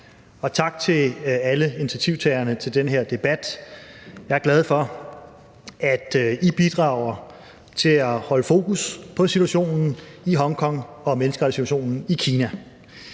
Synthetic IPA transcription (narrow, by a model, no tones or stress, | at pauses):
ɒ̽t͡sʰɑ̈ɡ̥t͡sʰe̝æləinit͡sʰæt͡sʰiʊ̰t͡sʰɛɪɐnət͡sʰe̝ld̥enɦeɐ̰d̥e̝b̥æd̥ | jɑ̈ɪæɐɡ̥læð̞ˠfɒ̽ | æd̥ib̥id̥ʁɑ̈ʊɐ | t͡sʰe̝læhɒ̽ləfo̝ːkʰuspʰɒ̽sit͡sʰuæɕo̝̰ːnn̩ | iɦɒ̽ŋkʰɒ̽ŋ̰ɒ̽menəsɡ̥ʁɑdsiɾu̥ɐɕo̝̰ːnn̩ikʰiːnæ